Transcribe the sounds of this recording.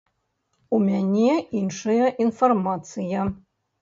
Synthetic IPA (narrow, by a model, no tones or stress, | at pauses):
umʲænʲeinʂɨjɐʔinformat̪sɨja